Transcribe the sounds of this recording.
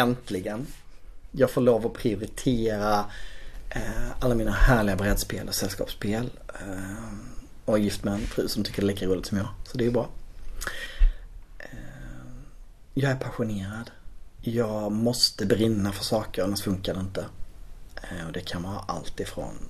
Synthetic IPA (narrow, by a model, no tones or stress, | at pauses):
ɛnt̪lɪɡən | jɑːɡfoːɭoːvəɾɔpʰɾɪʊɾɪt̪ʰeːɾa | alːamiːnahæːɭɪɡabɾɛd̪spḛːlʔɔsɛlskɑ̰ːpspʰeːl | ɔjɪft̪mɛnfɾʉ̟ːsɔmt̪ʰʏkːədɖɛliːkaɾuːlɪɡt̪sɔmjɑːɡsɔd̪ɛbɾɑː | jɑːɡæɾpʰaɧʊneːɾad̪jɑːɡmɔst̪əbɾɪnːafœʂɑːkəɾɛnːast̪fɵŋkad̪ɛɪnt̪ə | ɔd̪ɛkʰanvɑːɾa̰ʔa̰lt̪ɪfɾɔ̰n